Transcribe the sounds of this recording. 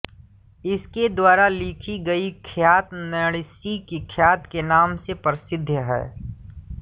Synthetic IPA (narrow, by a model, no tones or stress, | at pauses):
ɪsked̪waːɾaliːkʰiɡɐikʰjaːt̪nəɽɪsikikʰjaːt̪kenaːmsepɾɪsɪd̪ʱjəɦɛ̰ː